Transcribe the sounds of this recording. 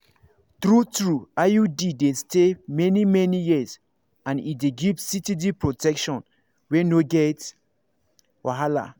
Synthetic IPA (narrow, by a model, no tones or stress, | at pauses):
θɹutɹuajudidestemɛnimɛnijiz | ãnideɡivsitidipɹotɛkʃɔ̃n | wɛnoɡɛt | waɦala̰